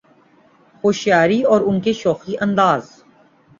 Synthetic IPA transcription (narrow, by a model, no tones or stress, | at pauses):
xoːʃjaːɾiɔːɾʊnkeʃɔːxiʔɐ̃nd̪aːz